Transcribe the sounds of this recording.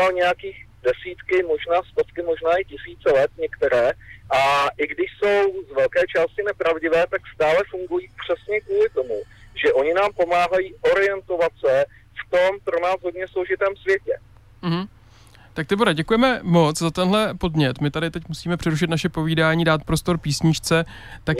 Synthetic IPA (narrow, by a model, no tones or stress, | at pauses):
alɲɛjakiːɣ | dɛsiːt̪kɪmo̞ʒnaːst̪ofkɪmo̞ʒnaːʔɪcɪsiːt͡sɛlɛt̪ɲɛkt̪ɛɾɛːʔaʔɪɡdɪʃso̞wzvɛlkɛːt͡ʃaːscɪnɛpɾavɟɪvɛːt̪akst̪aːlɛfuŋɡujiːpr̝̥ɛsɲɛkvuːlɪt̪o̞muʒɛʔo̞ɲɪnaːmpo̞maːɦajiːʔoɾɪjɛnt̪o̞vat̪sɛ | ft̪o̞mpɾo̞naːzɦodɲɛsloʒɪt̪ɛːmsvjɛcɛ | m̩ɦ̩ | t̪ak̚t̪ɪboɾɛɟɛkujɛmɛmo̞t͡szat̪ɛnɦlɛpo̞dɲɛt̪mɪt̪adɪt̪ɛcmusiːmɛpr̥ɛɾuʃ̬ɪt̪naʃɛpo̞viːdaːɲiːdaːt̪̚pɾo̞st̪o̞ɾpiːsɲɪt͡ʃt͡sɛ | t̪a